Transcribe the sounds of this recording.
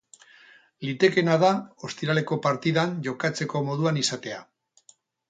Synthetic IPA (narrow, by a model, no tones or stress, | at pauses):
lit̪e̞ke̞nað̞ao̞st̪iɾale̞ko̞paɾt̪iðanʝo̞kat͡se̞ko̞mo̞ð̞uanisat̪e̞a